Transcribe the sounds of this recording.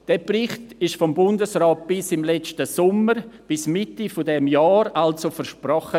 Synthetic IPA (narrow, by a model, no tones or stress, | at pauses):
d̥ɛːprɪχtɪʃfɔmbʊndəsrɔːt̚b̥ɪsɪmlɛt͡stəsʊməɾb̥ɪsmɪtifɔdɛmjaːɾalsofəɾʃprɔχə